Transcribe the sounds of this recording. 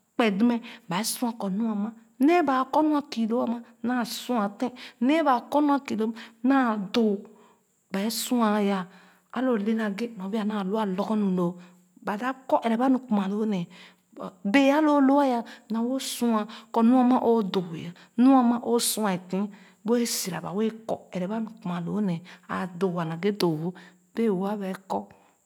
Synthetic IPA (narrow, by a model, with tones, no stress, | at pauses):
k͡pɛ˨di˦mɛ˦ba˨e˦sũ˦a˨kɔ˨nũ˦a˨ma˦ne˦ba˨kɔ˦nũ˦a˨ki˨lo˦a˦ma˦na˦sũ˦a˨tẽ˦ne˦ba˨kɔ˦nũ˦a˦˨ki˨lo˦m˦na˦˨do˨ | ba˨e˦sũ˦a˨jaː˨˦ | lo˨le˦na˨ɡe˦˨ma˨bi˦a˨na˨lo˦a˦lɔ˨ɡɔ˦nũ˨lo˨ | ba˨da˦kɔ˦ʔɛ˨ɾɛ˨ba˦nu˨ku˨m˨a˨lo˨˦nɛ˨ | be˦a˦lo˦lo˦a˦ja˨na˨wo˦sũ˦a˨kɔ˦nũ˦a˦mã˦ʔo˦do˨ja˨ | nũ˦a˦mã˦ʔo˦sũ˦a˨e˨tĩ˦ | bo˦e˦si˨ɾa˨ba˨we˦kɔ̰˨ɛ˨ɾɛ˨ba˦nu˨ku˨ma˨lo˨˦nɛ˨a̰˨do˨wa˨na˨ɡe˦do˨bo˦ | b̥e˦˨wo˨˦a˦βɛ˨˦kɔ˦